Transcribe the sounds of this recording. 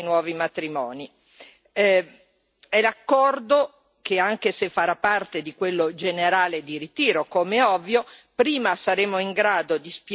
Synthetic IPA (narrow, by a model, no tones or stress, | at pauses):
nwɔːvimat̪ɾimɔːni | ɛlakːɔrd̪o | keaŋkesefːaɾapːart̪ed̪ikwelːod͡ʒeneɾaːled̪iɾit̪iːɾokomeɛɔvːjopɾiːmasaɾeːmoiŋɡɾaːd̪od̪isp